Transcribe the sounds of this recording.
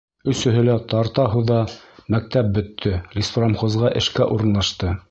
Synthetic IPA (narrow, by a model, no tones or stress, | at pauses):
ɵ̆sɵ̆ɦɵ̆læt̪ɑɾt̪ɑɦuðɑmæk̚t̪æp̚bɵ̆t̪ʰːɵlʲisfromχozʁɑʔɘ̆ʃkæʔuɾɤ̆nlˠɑʃt̪ɤ